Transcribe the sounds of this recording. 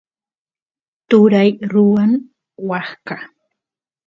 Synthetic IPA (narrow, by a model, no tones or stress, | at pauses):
t̪ʊɾajɾʊwan | wɑχka